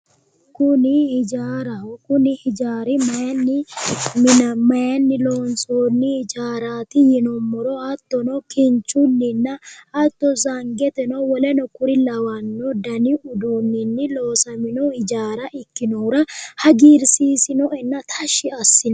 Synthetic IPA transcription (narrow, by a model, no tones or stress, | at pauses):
kʊnɪhɪd͡ʒaːɾɐkʊnɪhɪd͡ʒaːɾɪmɐjɐnːɪmɪnɐmɐjɐnːɪloːnsoːnːɪhɪd͡ʒaːɾaːt̪ɪjɪnɔmːɔɾɔhɐt̪ːɔnɔkɪnt͡ʃʼʊnːɪnːɐɐt̪ːɔzɐŋɡɛt̪ɛnɔwɔlɛnɔkʊɾɪlɐwɐnːɔd̪ɐnɪʔʊd̪uːnːɪnːɪloːsɐmɪnɔhɪd͡ʒaːɾɐʔɪkːɪnɔɾɐhɐɡiːɾsiːsɪnɔʔɛnːɐt̪ʰɐʃːɪɐsːɪnɐ